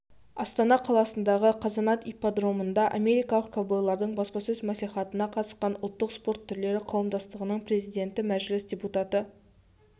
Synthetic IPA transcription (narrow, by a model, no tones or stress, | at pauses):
ɑst̪ɑnɑqʰɑlˠɑsənd̪ɑʁəqʰɑzɑnɑt̪ipad̪ro̞mənd̪ɑʔa̰me̞ɾijkɑlˠəq̚kʰobojlˠɑɾd̪əɴbɑspɑsɵzmæsijχɑt̪ənɑqʰɑt̪ə̥sqɑnʊlˠt̪ːəqspo̞ɾt̪ʰːʏɾle̞ɾɪqʰɑwəmd̪ɑst̪əʁənəɴpre̞zijd̪ʲe̞nt̪ɪmæʒlɪsd̪ʲeput̪ɑt̪ə